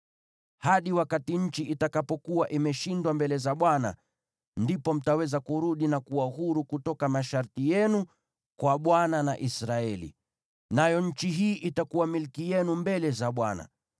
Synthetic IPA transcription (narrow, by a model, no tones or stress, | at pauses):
haɗiwakatiɲ̩t͡ʃiʔitakapɔkuwaʔimɛʃindwambɛlɛzaɓwana̰ | ndipɔm̩tawɛzakuɾuɗinakuwaɦuɾukutɔkamaʃaɾtijɛnu | kwaɓwananaʔisɾaɛlḭ | najɔɲ̩t͡ʃiɦiːʔitakuwamilkijɛnumbɛlɛzaɓwana̰